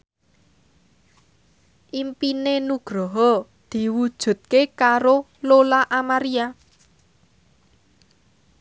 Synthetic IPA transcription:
ʔimpinenuɡ̥ɾɔɦɔ | d̪̥i̤wud̥ʒ̥ṳt̪̚kekaɾo | lolaʔamaɾia

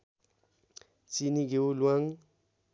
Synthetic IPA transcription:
t͡siniɡeulwaŋ

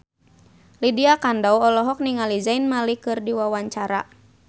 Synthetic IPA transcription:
lidiakandauɔlɔɦɔk̚niŋalizainmalikɨrdiwawaɲt͡ʃaɾa̰

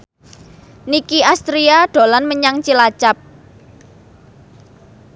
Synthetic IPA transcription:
nikiast̪ɾiaɖ̥o̤lanməɲaŋt͡ʃilat͡ʃap̚

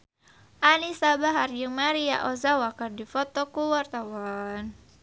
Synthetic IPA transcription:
ʔalisabaɦarjəŋmaɾia̰ʔɔzawakərdifɔt̪ɔkuwart̪awan

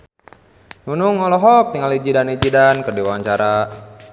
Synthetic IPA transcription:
nunuŋːɔlɔɦɔk̚t̪iŋalid͡ʒidanid͡ʒidankərdiwawaɲt͡ʃaɾa

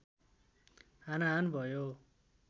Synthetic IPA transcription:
ɦanaɦanbʱʌjo

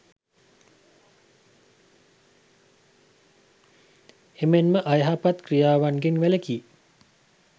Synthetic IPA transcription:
emenməʔajɦapat̪krijaːʋanɡeŋʋæləkiː

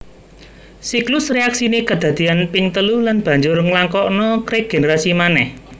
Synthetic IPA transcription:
siklʊsreaksinekəd̪̥ä̤d̪̥i̤anpiŋt̪əlulanb̥ä̤ɲd͡ʒʊrŋlaŋkɔʔnɔkɾɪɡ̥e̤neɾasimanɛh

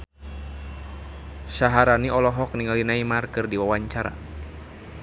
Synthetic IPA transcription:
saɦaɾaniɔlɔɦɔk̚niŋalinaimarkɨrdiwawaɲt͡ʃaɾa̰

